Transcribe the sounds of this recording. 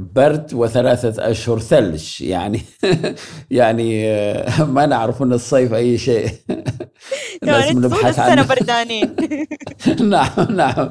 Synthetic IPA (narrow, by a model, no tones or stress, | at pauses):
bɑɾˤd̪wɪθalaːθaʔa̰ʃhʊɾθalʃja̰ʕni | jaʕni | manɪʕɾɪfuːnɨsˤːeːfʔajːʃeːʔ | namɪnbħaθʕaanabɑɾˤd̪aːniː | naʕamnaʕam